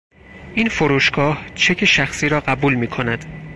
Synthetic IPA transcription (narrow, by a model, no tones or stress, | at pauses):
ʔiːnfoɾuːʃɡɒːht͡ʃʰe̞cʲʰeʃæxsiːɾɒːɢæbuːlmiːkʰo̞næd̪̥